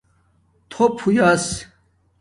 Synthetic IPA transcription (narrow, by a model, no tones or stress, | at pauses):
t̪ʰopʰujas